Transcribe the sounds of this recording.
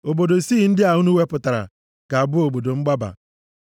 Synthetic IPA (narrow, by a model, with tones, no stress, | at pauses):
o˨bo˨do˨si˦˨n̩˦dɪ˦a˨u˦nu˦we˦pʊ˨ta˨ɾa̰˨ | ka˨a˨bʊ˦o˨bo˨do˨ŋ͡m̩˦ɡ͡ba˦ba̰˨